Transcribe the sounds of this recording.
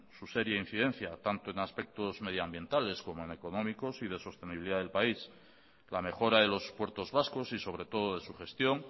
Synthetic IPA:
suse̞ɾjain̟θiðẽ̞n̟θjat̪ant̪o̞e̞naspe̞k̚t̪o̞zme̞ðjoambje̞nt̪ale̞sko̞moene̞ko̞nõ̞miko̞sið̞e̞so̞st̪e̞niβiliðaðelpais | lame̞xo̞ɾaðe̞lo̞spwe̞ɾt̪o̞zβasko̞siso̞β̞ɾe̞t̪o̞ð̞o̞ðe̞suxe̞st̪jo̞ŋ

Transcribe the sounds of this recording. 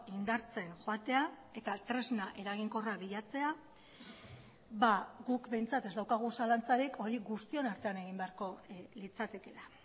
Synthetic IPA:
ind̪aɾt͡se̞nxoat̪e̞a | e̞t̪at̪ɾe̞znaʔe̞ɾaɣiŋko̞raβiʎat͡se̞a | βaɣukbe̞jnt͡sat̪e̞zd̪awkaɣ̞usalant͡saɾikʰo̞ɾiɡust̪io̞naɾt̪e̞ane̞ɣ̞imbe̞aɾko̞lit͡sat̪e̞ke̞ɾa

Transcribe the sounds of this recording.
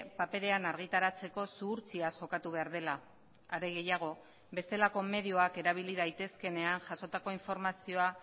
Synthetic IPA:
pape̞ɾe̞anaɾɣit̪aɾat͡se̞ko̞suːɾt͡siasʝo̞kat̪uβ̞e̞aɾð̞e̞la | aɾe̞ɣe̞jaɣ̞o̞ | βe̞st̪e̞lako̞me̞ðioake̞ɾaβ̞iliðajt̪e̞ske̞ne̞aŋʝaso̞t̪ako̞iɱfo̞ɾmasio̞a

